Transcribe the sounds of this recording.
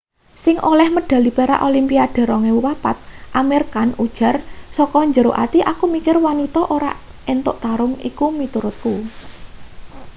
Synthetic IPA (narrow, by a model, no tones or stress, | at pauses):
sɪŋʔolɛhməɖ̥a̤lipeɾa̰ʔolimpiaɖ̪̥a̤ɾɔŋewapat̪̚ʔameɾkanud̥ʒ̥a̤rsɔkɔɲd͡ʒəɾoʔat̪iʔakumikɪrwanit̪ɔʔoɾa̰ | ent̪ʊʔt̪aɾʊŋḭkumit̪uɾʊt̪̚ku